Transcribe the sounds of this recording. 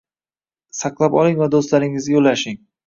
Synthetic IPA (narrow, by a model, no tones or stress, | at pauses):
sɑqlˠapɒlˠɪŋvad̪ost̪laɾɪŋɪzɡʲajolːaʃɪŋ